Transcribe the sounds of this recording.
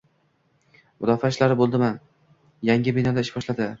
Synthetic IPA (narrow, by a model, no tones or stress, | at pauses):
mʊd̪ɒfaɪʃlaɾɪbolˠd̪ɪman | jaŋʲɪbɪnɒd̪aɪʃbɒʃlad̪ɪ